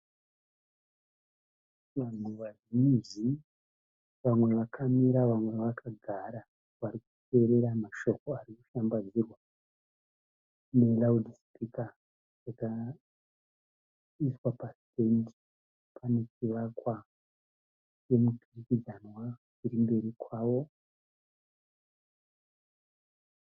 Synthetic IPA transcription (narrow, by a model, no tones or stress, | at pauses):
ʋan̤uʋazimizi | ʋamwe̞ʋakʰamiɾaʋamwe̞ʋakaɡʱaɾa | ʋaɾikute̞ɾe̞ɾamaʃo̞ko̞arikuʃambad͡zirwa | ne̞laudispika | d͡zaka | iswapastendi̥ | pʰane̞t͡ʃiʋakwa | t͡ʃe̞mupirikid͡zanwa | iɾimbe̞ɾikʰwaːʋo̞